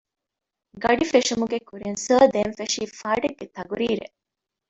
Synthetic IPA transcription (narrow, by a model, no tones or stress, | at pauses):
ɡɐɖifeʂumuɡekuɾinsəːd̪eːnfeʂiːfaːɖeɡːet̪ɐɡuɾiːɾḛ